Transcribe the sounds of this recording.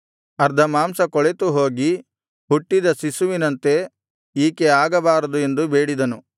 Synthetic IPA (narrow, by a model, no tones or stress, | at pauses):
ɐɾd̪ʱɐmaːmsɐkɔɭet̪uɦo̞ːɡi | ɦuʈːid̪ɐsisuʋinɐnt̪e̞ | iːkeaːɡɐbaːɾɐd̪ue̞nd̪ubeːɽid̪ɐnu